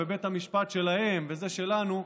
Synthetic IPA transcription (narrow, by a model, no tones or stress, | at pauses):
ebe̞t̪hamiʃpat̪ʃe̞lahe̞mveze̞ʃe̞lanu